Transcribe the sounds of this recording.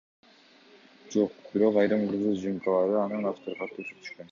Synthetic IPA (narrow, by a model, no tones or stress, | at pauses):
d͡ʒo̞q̚b̥iɾo̞qɑjɾɯmuɾzud͡ʒiŋkʰɑlˠɑɾɯɑnɯnɑft̪oɾqɑt̪ːysy̥t̪ʰy̥ʃkøn